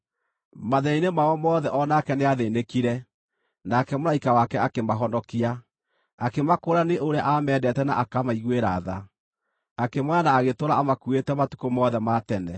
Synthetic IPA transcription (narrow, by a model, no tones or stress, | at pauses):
maðɛinemaɔmɔːðɛʔɔnakɛneaðeːnekiɾɛ | nakɛmoɾaikawakɛakemaɦɔndɔkia | akemakoɾaneʔoɾeaʔamɛːdɛtɛna̰ʔakamaiɣweɾa̰ða̰ | akemwaanaːɣetoɾaamakuetɛmatu̥komɔðɛmatɛnɛ̰